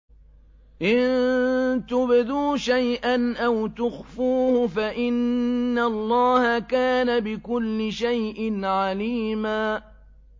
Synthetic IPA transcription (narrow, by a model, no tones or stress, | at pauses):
ʔɪn | t̪ʊbɪd̪uːʃajʔanʔawt̪ʊxfuːhʊfaʔɪnːalˤːɑːhakaːnabɪkʊlːɪʃajʔɪnʕaliːmaː